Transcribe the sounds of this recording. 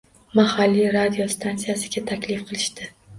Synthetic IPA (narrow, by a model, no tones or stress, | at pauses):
mahalːiɾad̪ijost̪ʰansijasɪɡʲat̪ʰakʲlɪfqʰɨlˠɪʃt̪ɪ